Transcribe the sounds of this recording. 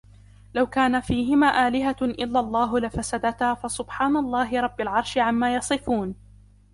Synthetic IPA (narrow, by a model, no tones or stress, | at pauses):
lawkaːnafiːɦɪmaːʔaːlɪɦaʔɪlːalˤːɑːɦʊlɪfasad̪at̪haːfasʊbħaːnalˤːɑːɦɪɾˤɑbːalʕɑɾˤʃɪʕamːaːjɑsˤɨfuːn